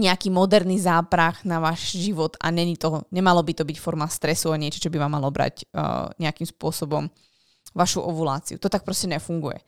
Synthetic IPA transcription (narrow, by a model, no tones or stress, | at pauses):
ɲɛakiːmɔd̪ɛɾnizaːpɾaxnaʋaːʒʒiʋɔt̪a̰ɲɛɲit̪ɔɲɛmalɔbit̪ɔbicfɔɾmast̪ɾɛsuaɲɪɛt͡ʃɔt͡ʃɔbiʋaːmːalɔbɾa̰ɟɲɛakiːmspʊɔsɔbɔm | ʋaʃuʔɛʋula̰ːt͡sḭut̪ɔt̪ak̚pɾɔscɛɲɛfuŋɡujɛ̰